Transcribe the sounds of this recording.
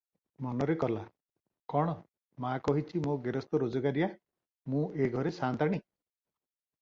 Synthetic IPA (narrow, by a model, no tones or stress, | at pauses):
mɔnɔɾekɔla | kɔɽ̃ɔ | makɔɦit͡ʃʰimoɡeɾɔst̪ɔɾod͡ʒɔɡaɾija | mũeɡʱɔɾesant̪aɽ̃i